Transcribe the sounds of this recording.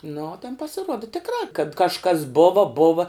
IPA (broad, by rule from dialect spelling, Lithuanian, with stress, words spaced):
nʊ oː tʲɛn pɐsʲɪˈruɔdɐ tʲɪkˈrɑː kɐt kɐʃˈkɐs ˈboːʋɐ ˈboːʋɐ